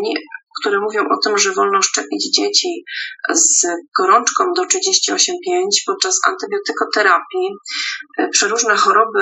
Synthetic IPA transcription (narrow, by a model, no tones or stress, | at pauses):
ɲikt̪uɾɛmuvʲjɔ̃w̃ʔɔt̪ɘmʐɛvɔlnɔ̃ʂt͡ʂɛpʲid͡ʑd͡ʑet͡ɕizɡ̥ɔɾɔnt͡ʂkɔ̃w̃d̪ɔtʂɘd͡ʑeɕt͡ɕiɔɕɛmpʲjeɲt͡ɕpɔt̪̚t͡ʂasa̰nt̪ɘbʲjɔt̪ɘkɔt̪ɛɾapʲji | pʂɛɾuʐnɛxɔɾɔbɘ